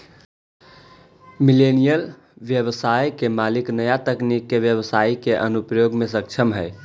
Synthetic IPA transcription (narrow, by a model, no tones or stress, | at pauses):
milenijəl | ʋjəβsajkemaliknəjat̪əknikːeʋjəβəsaikeʔənupjoɡmes̬ək̚t͡ʃʰəmɦəj